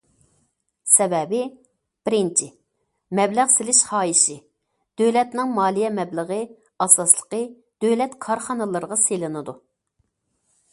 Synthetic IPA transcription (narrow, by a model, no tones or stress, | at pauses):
sɛvɛbɪ | b̥ɪɾɪnt͡ʃʰi | mɛblæʁsɪlɪʃχɑːjiʃɪ | d̪̥ølɛt̪nɪŋmɑːlˠijɛmɛbləʁɨ | ɑsɑslˠə̥qə | d̪̥ølɛt̪kʰɑɾχɑnɨlˠɨɾəʁɑselɨnɨd̪u